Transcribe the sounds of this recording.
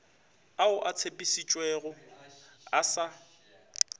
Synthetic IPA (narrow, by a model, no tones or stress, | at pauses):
aʊʔat͡sʰepʼisit͡ʃʼweɣʊ | asa